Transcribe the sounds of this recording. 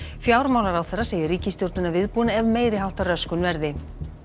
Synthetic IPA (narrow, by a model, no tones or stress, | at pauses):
fjaːwɾmaːwlaɾawθɛrːaseːjɪɾiːcɪst̪jowɾt̪nʏnavɪðpuːnaɛvmeːjɾɪɦawt̪arœskʏnvɛɾðɪ